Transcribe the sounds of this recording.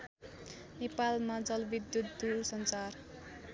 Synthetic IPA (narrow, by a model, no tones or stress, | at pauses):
nepalmad͡zʌlbid̪jut̪̚d̪ulsʌnsar